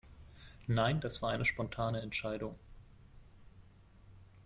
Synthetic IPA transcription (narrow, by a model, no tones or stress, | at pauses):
naɪnd̥asv̥aːɐaɪnəʃpɔntʰaːnəɛntʃaɪdʊŋ